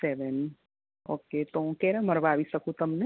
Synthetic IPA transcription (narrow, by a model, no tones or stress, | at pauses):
sɛʋɛn | oːket̪õkeɾamɐɾʋaːʋisɐkũt̪ɐmne